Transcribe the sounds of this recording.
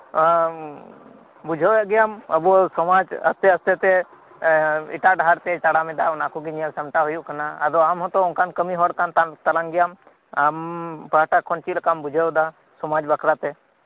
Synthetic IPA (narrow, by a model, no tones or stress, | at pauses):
bʊd͡ʒʱeeɡijamɐbosɔmad͡ʒɐ̰st̪eɐst̪et̪e | ɪ̰ʈaɖʱaɾt̪et͡ʃaɽamẽd̪aʊnaːkʰuk̬inijəlsɐmʈaɦujukənaɐd̪oamɦɔt̪oʊnkankəmiɦɔɽkant̪t̪ɐlãŋɡɪjam | ampɾaʈakʰːɔnt͡ʃilkambʊd͡ʒʱeod̪a | sɔmaːd͡ʒbəkʰɾat̪e